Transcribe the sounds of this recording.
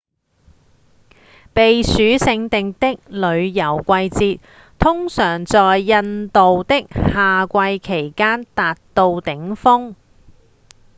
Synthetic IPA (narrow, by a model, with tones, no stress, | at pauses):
pe˨jsyː˨˥sɪ˧ŋt̪ɪ˨ŋt̪ɪ˥k̚lɵ˨˧ɥjɐ˨˩wkʷɐ˧jt͡siː˧t̚ | t̪ʰʊ˥ŋsœː˨˩ŋt͡sɔː˨jːɐ˧nt̪o˨wt̪ɪ˥k̚haː˨kʷɐ˧jkʰe˨˩jkaː˥nt̪aː˨t̚t̪o˧wt̪ɪ˨˥ŋfʊ˥ŋ